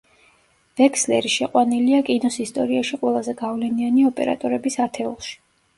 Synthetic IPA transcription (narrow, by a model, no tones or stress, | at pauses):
v̥ɛkʰslɛɾiʃɛqʼwaniliakʼinɔsist̪ʼɔ̰ɾiaʃiqʼwɛlˠazɛɡavlɛnianiɔpʼɛ̰ɾa̰t̪ʼɔɾɛbisat̪ʰɛulˠʃi̥